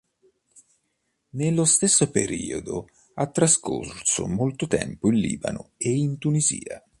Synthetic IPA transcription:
nelːost̪esːopḛɾiːod̪ʊ | at̪ːɾaskʰorsʊ̰molt̪ʊt̪ɛ̰mpʊinlḭːba̰nʊeint̪unizḭːa

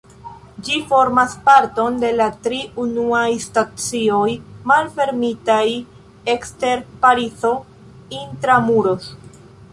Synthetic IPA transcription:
d͡ʒifo̞ɾmaspaɾto̞nde̞latɾiunuajstat͡sio̞jmalfe̞ɾmitaj | e̞kste̞ɾpaɾit͡so̞ | intɾamuɾo̞s

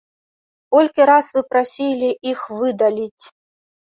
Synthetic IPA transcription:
kɔlʲkʲiɾasvɨpɾasʲilʲiixvɨd̪alʲit͡sʲ

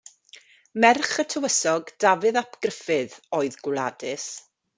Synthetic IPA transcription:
mɛrχətʰəwəsɔɡd̥avɨðapʰɡ̥rəfɨðoːɨðɡwlˠa̰dɨs

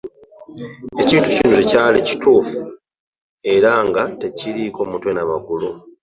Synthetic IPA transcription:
e̞ciːntucinocecaːleci̥tuːfu | e̞ɾaŋɡate̞ciɾiko̞ːmutwenaβaɡulo

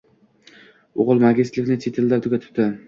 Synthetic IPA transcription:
oʁɨlˠmaɡʲɪst̪lɪkʲnɪt͡ʃʰet̪ʰɪld̪aɾt̪ʰʊkʲat̪ʰɪ̥p̚t̪ɪ

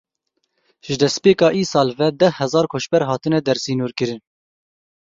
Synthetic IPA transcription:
ʒɨd̪ɛspeːkɑːʔiːsɑːlvɛd̪ɛhhːɛzɑːɾkʰoːʃbɛɾɦɑːt̪ɨnɛd̪ɛɾsiːnuːɾkɨɾɨn

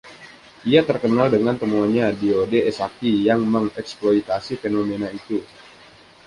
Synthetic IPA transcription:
ʔiat̪ərkənaldəŋant̪əmuaɲadiodeɛsakijaŋməŋɛksploit̪asifenomenait̪u

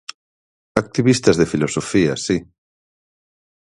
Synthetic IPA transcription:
ak̚t̪iβist̪azðefilosofiasi

